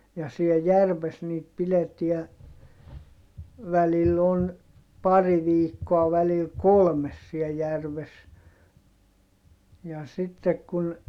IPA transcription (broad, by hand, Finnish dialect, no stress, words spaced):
jɑ siel jærʋes niːt pileti̯æ ʋælilː on pɑri ʋiːkːoɑ ʋælil kolmes siɛ jærʋes jɑ sitːek kun